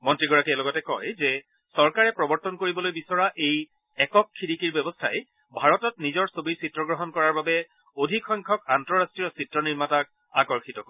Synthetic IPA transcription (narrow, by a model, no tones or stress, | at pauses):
mɔntɹiɡɔɹakiɛlɔɡɔtɛkɔjzɛ | sɔɹkaɹɛpɹɔbɔɹtɔnkoɹibɔlojbisɔɹaʔej | ɛkɔkʰːiɹikiɹbɛbɔstʰaj | bʱaɹɔtɔtnizɔɹsobiɹsitɹɔɡɹɔɦɔnkɔɹaɹbabɛ | odʱikʰɔjŋkʰɔkantɔɹastɹijɔsitɹɔniɹmatak̚ | akɔɹxʰitɔkɔ